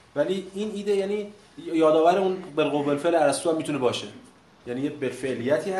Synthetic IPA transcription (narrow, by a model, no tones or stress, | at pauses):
væliːiniːd̪ejæni | jɒːd̪ɒːvæɾeunbelɣobelfelæɾæst̪uːæmːit̪ʰunebɒːʃe | jænijebelfe̞ʔliːjæt̪ʰiːhæ